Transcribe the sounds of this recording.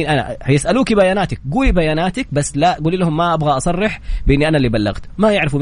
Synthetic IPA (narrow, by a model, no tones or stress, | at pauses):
nʔana̰hajɪsʔaluːkibajaːnaːt̪ak̚ɡuːlibajaːnaːt̪ɪk̚basːlaʔɡuːlːilahʊmːaʔabɣaʔɑsˤɑrˤːɪħbɪʔɪnːiʔanalːiːbalːa̰ɣt̪majɪʕɾɪfum